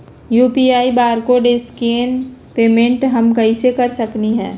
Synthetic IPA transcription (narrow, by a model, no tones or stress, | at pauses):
juːpiaːibaːɾkoːɖɪskeːnpeːmẽɳʈɦɐmkɐisekɐɾsɐkniɦɛ̰̃ː